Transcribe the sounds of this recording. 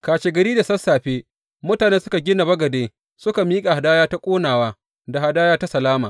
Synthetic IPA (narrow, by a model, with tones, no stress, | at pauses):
kaː˨ʃe˨ɡɐ˨ɾiː˦da˨sɐ˦sːaː˨ɸeː˦ | mʊ˦taː˨ne˦nsʊ˦ka˨ɡʲɪ˦na˨bɐ˦ɡɐ˨deː˦ | sʊ˦ka˨miː˦kʼa˨ha˨daː˦jaː˦ta˦kʷʼoː˦naː˨waː˦ | da˨ha˨daː˦jaː˦ta˦sɐ˨laː˦maː˨